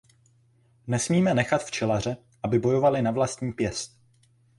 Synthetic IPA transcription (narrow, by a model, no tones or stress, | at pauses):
nɛsmiːmɛnɛxat̪ft͡ʃɛlar̝ɛ | ʔabɪbo̞jo̞valɪnavlast̪ɲiːpjɛst̪̚